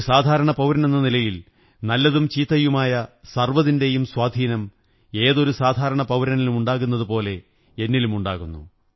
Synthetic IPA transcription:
saːd̪ʱaːɾɐɳɐpɐwɾɐne̞nːɐnilɐjil | nɐlːɐðumt͡ɕiːt̪ːɐjumaːjɐsɐrʋɐðinde̞jumswaːd̪ʱiːnɐm | e̞ːðo̞ɾusaːd̪ʱaːɾɐɳɐpɐwɾɐnilumuɳɖaːɣunːɐðupo̞ːle̞ | enːilumuɳɖaːɣunːṵ

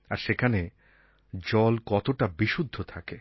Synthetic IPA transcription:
a̰ɾʃekʰane | d͡ʑɔlkɔt̪oʈabiʃud̪ʱːot̪ʰake

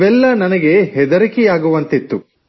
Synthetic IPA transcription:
ʋɛlːɐnɐnɐɡe̞ɦɛd̪ɐɾikɛjaːɡuʋɐnt̪it̪ːu

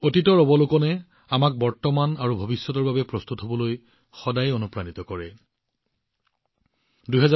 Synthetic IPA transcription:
otitɔɹɔbɔlʊkɔnɛ | amak̚bɔɹtɔmanaɹubʱobisːɔtɔɹbabɛpɹɔst̪utɦɔbɔloj | xɔdajonupɹanitɔkɔɹɛ | duɦɛza

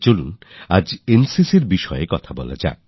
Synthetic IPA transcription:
t͡ʃolunad͡ʑensisiɾbiʃɔekɔt̪ʰabɔ̰la̰d͡ʒa̰e

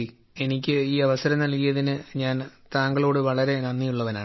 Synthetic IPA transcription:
i | e̞nikʲːɨiːɐʋɐsɐɾɐmnɐlkijɐðinɨɲaːnt̪aːŋɡɐɭo̞ːɽɨʋɐɭɐɾe̞nɐnːijuɭːɐʋɐna̰ː

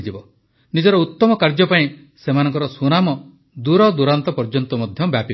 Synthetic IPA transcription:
d͡ʒibɔ | nid͡ʒɔɾɔut̪ːɔmɔkaɾd͡ʒɔpaĩ | semanɔŋkɔɾɔsunamɔ | d̪uɾɔd̪uɾant̪ɔpɔɾd͡ʒɔnt̪ɔmɔd̪ʱjɔbjapi

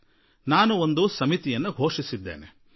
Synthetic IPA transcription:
naːnuond̪usɐmit̪ijɐnːuɡʱo̞ːʂisid̪ːeːne

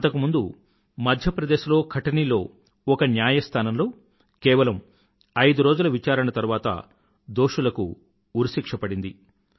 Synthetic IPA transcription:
ɐnt̪ɐkumund̪u | mɐd̪ʱjɐpɾɐd̪eːʃulo̞ːkʰɐʈɐnilo̞ː | ɔkɐnjaːjɐst̪ʰaːnɐmlo̞ː | kɛːʋɐlɐm | ɐjd̪uɾoːd͡ʒulɐʋit͡ʃaːɾɐɳɐt̪ɐɾuʋaːt̪ɐ̰ | d̪o̞ːʂulɐkṵː | ɾsikʂɐpɐɽind̪i

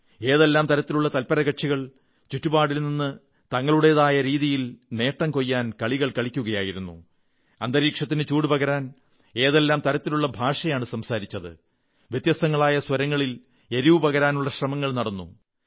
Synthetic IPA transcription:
e̞ːðelːaːmt̪ɐɾɐt̪ːiluɭːɐt̪ɐlpɐɾɐɣɐʈʂiɣɐɭ | t͡ɕutːubaːɽilninːɨ | t̪ɐŋːɐɭuɽeðaːjɐɾiːðijilne̞ːʈːɐŋko̞jːaːnkɐɭiɣɐɭkɐɭikʲːuɣɐjaːjiɾunːu | ɐnd̪ɐɾiːkʂɐt̪ːinɨt͡ɕuːɽɨpɐɣɐɾaːn | e̞ːðelːaːmt̪ɐɾɐt̪ːiluɭːɐbʱaːʂɐjaːɳɨsɐmsaːɾit͡ɕːɐðɨ̰ | ʋjet̪jɐst̪ɐŋːɐɭaːjɐswɐɾɐŋːɐɭil | e̞ɾiʋupɐɣɐɾaːnuɭːɐɕrɐmɐŋːɐɭnɐɽɐnːṵ

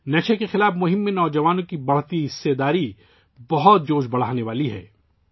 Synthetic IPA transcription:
nɛʃʰekexɪlaːfmʊɦɪmːẽnɔːd͡ʒɐʋaːnõkibɐɽ̤t̪iɦɪsːed̪aːɾi | bɐɦʊt̪̚d͡ʒoːʃbɐɽ̤aːneʋaːliɦɛ̰ː

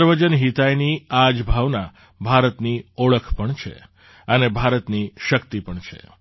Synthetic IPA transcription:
ɾʋəd͡ʒənɦit̪ajniad͡ʒbʱaʋna | bʱaɾət̪nioɭəkʰpəɳt͡ʃʰḛ | ənebʱaɾət̪niʃəkt̪ipəɳt͡ʃʰḛ

